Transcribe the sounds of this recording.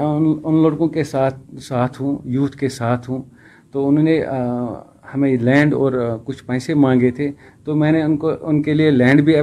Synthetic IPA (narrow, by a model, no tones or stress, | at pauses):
nʊnloːɽkõkesaːt̪̚ʰsaːt̪ʰɦũjuːt̪ʰkesaːt̪ʰɦũː | t̪oʊnne | hɐmẽlɛ̃ːɳɖɔːɾkʊt͡ʃʰpɛ̃ːsemãːŋ̆ɡet̪ʰe | t̪omɛ̃ːneʊnkoʊnkelielɛ̃ːɳɖbʱiɐ